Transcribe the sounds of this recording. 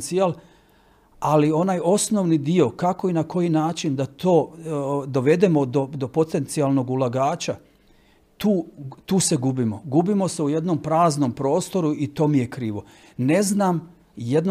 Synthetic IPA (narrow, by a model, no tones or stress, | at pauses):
nt̪sial | alio̞naːjo̞sno̞ʋnid̪io̞kako̞inako̞jinaːt͡ʃind̪at̪o̞ːd̪o̞ʋe̞d̪e̞mo̞d̪od̪o̞po̞t̪e̞nt̪sialˠno̞ɡulˠaɡaːt͡ɕa | t̪uːt̪uːse̞ɡubimo̞ɡubimo̞se̞uje̞d̪no̞mpɾaːzno̞mpɾo̞ːst̪o̞ɾuit̪o̞ːmijekɾiːʋo̞ | ne̞znaːm | jed̪n